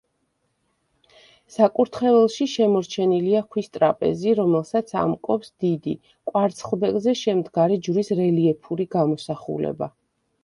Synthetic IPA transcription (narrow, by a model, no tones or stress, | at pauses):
sakʼuɾt̪ʰχɛvɛlˠʃiʃɛmɔɾt͡ʃʰɛniliakʰwist̪ʼɾapʼɛ̰ziɾɔmɛlˠsat̪sʰa̰mkʼɔpsd̪̥id̪i | kʼwaɾt̪sʰχlˠb̪ɛɡzɛʃɛmd̪ɡaɾɛd͡ʒuɾisɾɛliɛpʰuɾiɡamɔsaχṵlɛ̰ba